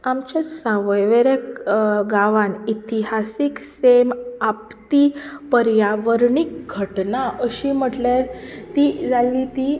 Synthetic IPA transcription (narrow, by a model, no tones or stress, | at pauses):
amt͡ɕasãʋəjʋeɾekɡaʋanit̪iɦasiksemapt̪ipəɾjaʋəɾɳik̚ɡʱəʈnaəɕim̤əʈlaɾt̪id͡zalːit̪i